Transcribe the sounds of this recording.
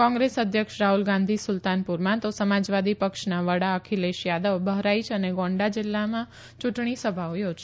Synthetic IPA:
kɔ̃ŋɡɾesəd̪ʱjəkʃɾaɦulɡãnd̪ʱisʊlt̪anpuɾmãt̪osəmad͡ʒʋad̪ipəkʃnaʋəɽaəkʰileʃjad̪əʋbəɦɾait͡ʃʰəneɡɔ̃ɳɖad͡ʒɪlːamã | t͡ʃuʈɳisəbʱaojod͡ʒ

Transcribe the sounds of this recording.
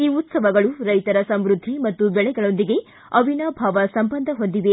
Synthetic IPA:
iːut̪sɐʋɐɡɐɭuɾɐjt̪ɐɾɐsɐmɾud̪ʱːimɐt̪ːubɛɭɛɡɐɭo̞nd̪iɡe̞ | ɐʋʱinɐbʱaːʋɐsɐmbɐnd̪ʱɐɦo̞nd̪iʋe

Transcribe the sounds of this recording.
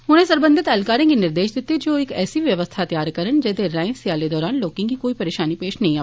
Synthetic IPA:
ʊñɦẽsɐɾbə̃nd̪ʱɪt̪ɛːlkaːɾẽkinɪɾd̪eːʃd̪ɪt̪ːed͡ʒoːɪkɛ̰ːsiʋjɐʋəst̪ʰat̪jaːɾkəɾəñd͡ʒɛːd̪eɾãːɪ̃sjaːled̪ɔːɾaːnloːkĩŋkikoːipɐɾeːʃaːnipeːʃnɐɦĩaː

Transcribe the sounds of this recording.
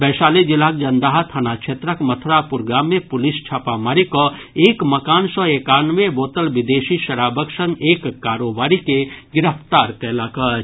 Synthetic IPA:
bɛːʃaːled͡ʒɪlaːk̚d͡ʒɐnd̪aːɦat̪ʰanakʃʰeːt̪ɾəkmət̪ʰɾapʊɾɡaːmːẽpʊlɪst͡ʃʰaːpamaːɾiko | eːkmɐkaːnsɔeːkaːnʋeboːt̪əlʋɪd̪eːʃiʃɐɾaːbəksə̃ŋɡeːkːaːɾoːbaːɾikeɡɪɾəpt̪aːɾkɛːlakə

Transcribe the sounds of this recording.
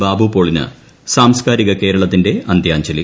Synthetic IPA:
baːbupo̞ːɭinɨ̰ | saːmskaːɾiɣɐke̞ːɾɐɭɐt̪ːinde̞ɐnd̪ʱjaːɲt͡ɕɐlḭ

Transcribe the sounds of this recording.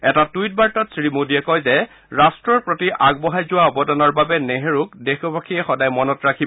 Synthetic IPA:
ɛtatujt̚baɹtɔtsɹimodiɛkɔjzɛ | ɹastɹɔɹpɹotiʔaɡ̚bɔɦajzʊwaɔbɔdɔnɔɹbabɛneɦeɹʊkdexɔbakʰiɛxɔdajmɔnɔtɹakʰi

